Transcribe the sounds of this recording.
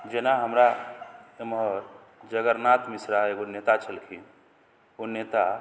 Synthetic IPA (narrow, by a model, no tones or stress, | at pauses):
d͡ʒenaɦəmɾa | emɦəɾ | d͡ʒəɡəɾnat̪misɾaeɡonet̪at͡ʃʰəlkʰin | onet̪a